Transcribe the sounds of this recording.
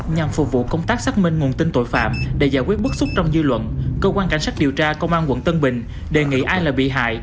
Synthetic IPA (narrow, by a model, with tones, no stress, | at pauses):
ɲa˨˩mfu˨˩k͡p̚vṵ˧˨kə˧wŋ͡mt̪aː˦˥k̚saː˦˥k̚mï˧ŋ̟ŋ˨˩ənt̪ï˧ŋt̪o̰˧˨jfa̰ː˧˨mɗḛ˧˩zaː˧˩jkwi˦˥ət̚ɓɨ˦˥t̚sʊ˦˥k͡p̚t͡ɕɔ˧wŋ͡mzɨ˧lwə̰˧˨nkəː˧kwaː˧nka˧˩jŋsaː˦˥k̚ɗi˨˩əwt͡ɕaː˧kə˧wŋ͡mʔaː˧nkwə̰˧˥˦nt̪ə˧nɓï˨˩ŋ̟ | ɗe˨˩ŋḭ˧˥ʔaː˧jlaː˨˩ɓḭ˧˨ɦa̰ː˧˨j